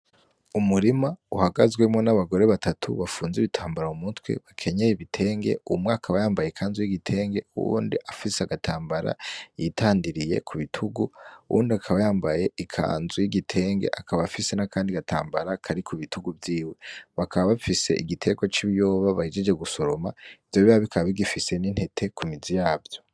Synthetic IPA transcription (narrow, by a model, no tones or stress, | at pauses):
umuɾimauhaɡazɡwe̞mŋo̞naβaɡo̞ɾe̞βatʰatʰṵβafuːnziβitʰaːmbaɾaumutwe̞̰βakʰe̞ɲejeβitʰe̞ːŋɡe̞̰umwaakʰaβajaːmbajekʰaːnzujiɡitʰe̞ːŋɡe̞uṵːndiʔafiseaɡatʰaːmbaɾa̰jitʰaːndiɾije̞̰kʰuβitʰuɡuuʔṵːndiakʰaβajaːmbaje̞ikʰa̰ːnzujiɡitʰe̞ːŋɡe̞̰ʔakʰaβaβafise̞nakaːndiɡata̰ːmbaɾakʰaɾikʰuβituɡuvjiːwe̞βakʰaβaβafise̞̰ʔiɡitʰe̞ɡwat͡ʃiβijo̞ːβaβahid͡ʒed͡ʒe̞ɡuso̞ɾo̞ma̰ivjoβiaβikʰaββiɡifise̞nin̥he̞tʰe̞kʰumizijaːbjo̞